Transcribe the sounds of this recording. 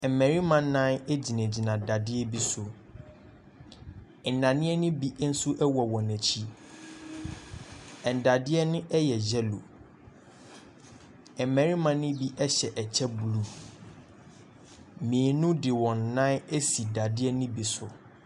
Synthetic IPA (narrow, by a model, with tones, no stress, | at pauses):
ɛ˨mɛ˨ɾi˦mã˨n˦nã˦ne˦d͡ʑi˨næ̃˨d͡ʑi˨nã˨da˨dɪ˦ɛ˦bi˦sʊ˨ | n̩˨nã˨nɪ̃˦ɛ˦nʊ̃˦bi˦ʔn̩˦sʊ˦ʔɛ˦wɔ˨wɔ̃˨næ˨t͡ɕʰi˦ | ɛ̃˨n˨da˨dɪ˦ɛ˦nʊ̃˦ʔɛ˦jɛ˨d͡ʑɛ˦lo̰˨ | ɛ˨mɛ̃˨ɾi˦mã˨nʊ̃˦bi˦ʔɛ˦ɕɛ˨ʔɛ˨t͡ɕʰɛ˦bu˨lu˦ | mĩ˨nʊ̃˦dɪ˨wɔ̃˨nː˨ã˦ne˦si˨da˨dɪ˦ɛ˦nʊ̃˦bi˨sʊ˨